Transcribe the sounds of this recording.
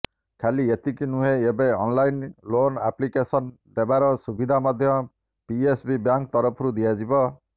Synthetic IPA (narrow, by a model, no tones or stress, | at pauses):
kʰaliet̪ikinuɦeebeɔnlajnlonaplikesɔn | d̪ebaɾɔsubid̪ʱamɔd̪ʱjɔ | piesbibjaŋk̚t̪ɔɾɔpʰɔɾud̪ijad͡ʒibɔ